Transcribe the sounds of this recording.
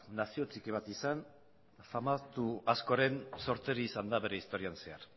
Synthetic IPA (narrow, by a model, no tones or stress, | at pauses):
nasio̞t͡sikiβ̞at̪isan | famat̪uasko̞ɾe̞nso̞ɾt̪e̞ɾiːsand̪aβe̞ɾe̞ist̪o̞ɾianse̞aɾ